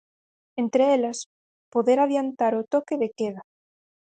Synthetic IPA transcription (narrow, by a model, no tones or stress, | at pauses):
ent̪ɾeelas | poðeɾaðjant̪aɾʊt̪okeðekeða